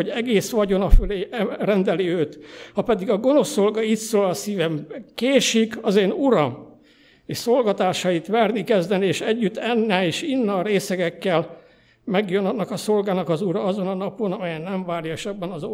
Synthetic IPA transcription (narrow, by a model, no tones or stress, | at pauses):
oɟɛɡeːsʋɒɟo̞nɒføleːɛrɛnd̪ɛliøːt̪hɒpɛd̪iɡɒɡo̞no̞sːo̞lɡɒit̪soːlɒsiːvɛmkeːʃikɒzeːnuɾɒm | eːʃso̞lɡɒt̪aːʃɒjit̪ʋɛrnikɛzd̪ɛnieːʃɛɟːyt̪ːɛnːɛleːʃinːɒːɾeːsɛɡɛkːɛl | mɛɡjønɒnːɒkɒso̞lɡaːnɒkɒzuɾɒɒzo̞nɒnɒpo̞nɒmɛjɛnːɛɱvaːrjɒʃɛbːɛnɒzo